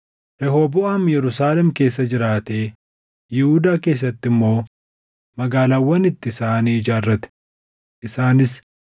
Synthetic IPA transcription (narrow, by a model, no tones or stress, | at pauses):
ɾɛhoːbʊʔaːmjɛɾʊsaːlɛmke̞ːsːɐd͡ʒɪɾaːt̪e̞ː | jɪhud̪aːke̞ːs̬ːɐt̪ːɪmːo̞ː | mɐɡaːlaːwːɐnɪt̪ːɪɪsaːniːɪd͡ʒaːrːɐt̪ɛ̥ | ʔɪsaːnɪs